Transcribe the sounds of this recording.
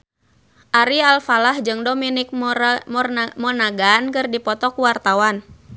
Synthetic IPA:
ʔaɾialfalahd͡ʒɨŋdominɪk̚mɔrmɔnaɡankɨrdipɔt̪ɔkuwart̪awan

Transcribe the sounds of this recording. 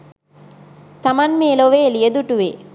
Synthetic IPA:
t̪ɐmɐnmeːloʋeːlijɐd̪uʈuʋe

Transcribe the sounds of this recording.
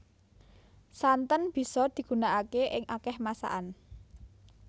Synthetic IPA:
sant̪ənb̥i̤sɔd̪̥i̤ɡ̥ṳnaʔakeʔɪŋʔakɛhmasa̰ʔan

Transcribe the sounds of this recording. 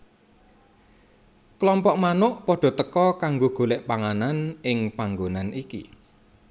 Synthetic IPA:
klɔmpɔʔmanʊʔpɔɖ̥ɔ̤t̪əkɔkaŋɡoɡ̥o̤lɪʔpaŋananʔɪŋpaŋɡonanikḭ

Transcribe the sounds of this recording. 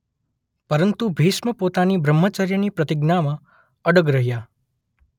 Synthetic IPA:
pəɾənt̪ubʱisməpot̪anibʱɾəmːət͡ʃaɾjənipɾət̪ɪɡnamã | əɽəɡɾəɦja

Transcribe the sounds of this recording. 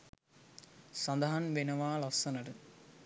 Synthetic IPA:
sand̪ɐɦanʋenəʋaːlɐsːɐnəʈə

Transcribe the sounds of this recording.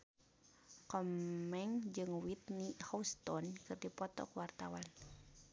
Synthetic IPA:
kɔmːɛŋd͡ʒɨŋwit̪nihɔust̪ɔnkɨrdipɔt̪ɔ̰kuwart̪awan

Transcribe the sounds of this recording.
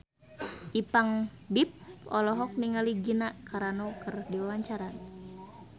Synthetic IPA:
ʔipaŋ | bip̚ɔ̰lɔɦɔk̚niŋaliɡinakaɾanɔkərdiwawaɲt͡ʃaɾan

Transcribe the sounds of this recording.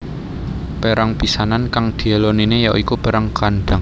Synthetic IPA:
peɾaŋpisanankaŋd̪̥i̤aloninejaʔikupeɾaŋkanɖ̪̥a̤ŋ

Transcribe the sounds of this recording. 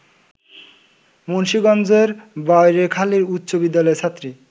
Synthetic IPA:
monʃiɡɔnd͡ʑeɾbajɾekʰaliɾutːɕobid̪ːalɔet͡ɕʰat̪ːɾi

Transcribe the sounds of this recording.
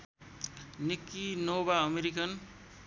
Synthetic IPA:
nikːinobaʌmeɾikʌn

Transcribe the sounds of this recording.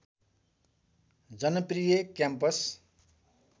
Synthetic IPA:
d͡zʌnʌprijʌkjampʌs

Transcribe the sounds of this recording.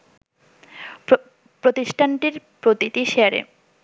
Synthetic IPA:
pɾot̪iʃʈʰaɳʈiɾpɾot̪it̪iʃeaɾḛ

